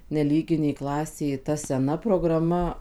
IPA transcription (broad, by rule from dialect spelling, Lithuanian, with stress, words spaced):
nʲɛˈlʲiːɡʲɪnʲeːj ˈklˠɑːsʲeːj tɐ sʲɛˈnɐ proːɡrɐˈmɐ